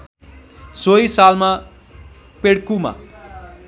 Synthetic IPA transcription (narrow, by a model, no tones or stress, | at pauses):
sojsalma | peɽkuma̰